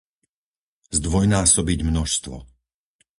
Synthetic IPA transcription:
zd̪ʋɔjnaːsɔbiɟmnɔʃst̪ʋɔ̰

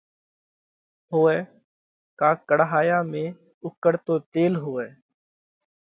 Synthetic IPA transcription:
ɦoːɛː | kaːkəɽɦaːjaːmẽː | ʊkːəɽt̪oːt̪eːlɦoːeː

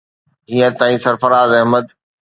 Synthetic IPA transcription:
iə̃t̪ãːĩsɐɾfɐɾaːzɐɦməd̪

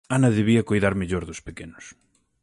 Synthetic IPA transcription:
anɐðeβiɐkojðaɾmeʎoɾðʊspekenʊs

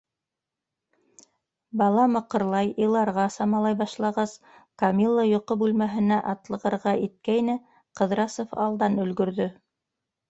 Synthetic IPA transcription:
bɑlˠɑmɤ̆qɤ̆ɾlˠɑjilˠɑɾʁɑsɑmɑlˠɑjbɑʃlˠɑʁɑz | kɐmʲilˠːajŏqɤbʉlmæɦɘ̆næʔɑt̪lˠɤ̆ʁɤ̆ɾʁɑit̪̚kæjnɘ | qɤ̆ðɾɑsofɑ̰lˠd̪ɑnɵ̆lɡɵ̆ɾðɵ

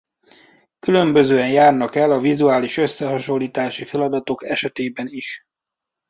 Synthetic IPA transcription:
kylø̞mbø̞zøːɛnjaːrnɒkɛlɒvizuaːliʃø̞sːɛɦɒʃo̞lːiːt̪aːʃifɛlɒd̪ɒt̪o̞kɛʃɛt̪eːbɛniʃ

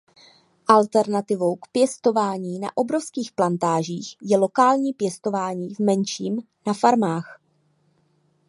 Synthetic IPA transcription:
ʔalt̪ɛɾnat̪ɪvo̞wkpjɛst̪o̞vaːɲiːna̰ʔo̞bɾo̞fskiːxplant̪aːʒiːxjɛlo̞kaːlɲiːpjɛst̪o̞vaːɲiːvmɛnʃiːm | nafaɾmaːx

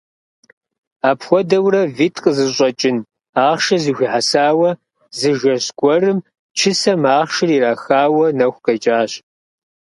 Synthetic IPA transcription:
aːpxʷɔdɐwrɐvitʰʼqʼəzɨɕʼɔt͡ʃʼɪn | aːχʃɐzixʷiħasaːwɐ | zɨʒɐɕɡ̥ʷɔrɨm | t͡ʃʰɪsɐmaːχʃɨriːraːxaːwɐnɐxʷqɐt͡ʃʼaːɕ

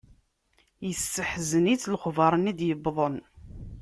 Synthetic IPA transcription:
jəsːəħzənit͡sːlχvɑɾˤənid̪jəbðˤən

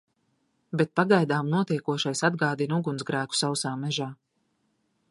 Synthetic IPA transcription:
bɛt̪̚paɡajd̪aːmnuɔt̪iɛkuɔʃajsad̪̚ɡaːd̪inuɡunzɡɾæːku̥sawsaːmɛʒaː

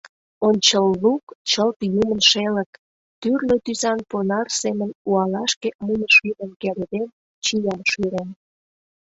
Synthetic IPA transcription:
onʲt͡ɕəlːukt͡ɕəlt̪jumənʃelək | t̪yrlet̪yzɑnponɑrsemənuɑlɑʃkemunəʃyɾenkelʲed̪en | t͡ɕijɑʃyɾen

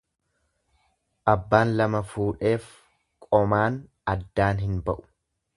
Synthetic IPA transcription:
ʔɐbːaːnlɐmɐfuːᶑe̞ːf | kʼɔmaːn | ɐd̪ːaːnɦɪnbɐʔʊ̥

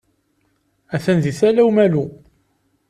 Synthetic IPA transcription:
æθænðiθælæwmælu

